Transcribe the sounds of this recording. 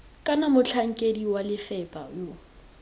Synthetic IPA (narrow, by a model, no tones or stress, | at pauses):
kʼanamʊt͡ɬʰaŋ̩kʼediwalɪfɛpʼajo